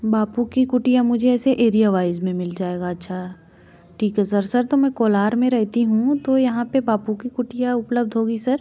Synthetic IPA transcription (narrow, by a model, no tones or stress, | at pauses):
baːpukikʊʈijamʊd͡ʒʱeɛːseʔeːɾijaʋaːɪzmẽmɪld͡ʒaːeːɡaɐtːʃʰaɦ | ʈʰiːkɦɛsɐɾsɐɾt̪omɛ̃koːlaːɾmẽɾɛɦt̪iɦũt̪ojɐɦãpebaːpukikʊʈijaʊpləbd̪ʱɦoːɡisɐɾ